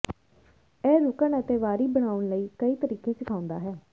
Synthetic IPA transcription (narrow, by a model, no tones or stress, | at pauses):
ɛːɾʊkəɳət̪eːʋaːɾiːbəɽ̃aːʊɳləiːkəiːt̪əɾiːkẽːsɪkʰaːʊ̃nd̪a̰ːɦɛː